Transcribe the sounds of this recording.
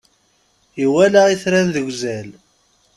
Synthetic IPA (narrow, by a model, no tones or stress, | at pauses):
jiwælæʁiθɾænðəʝʷzæl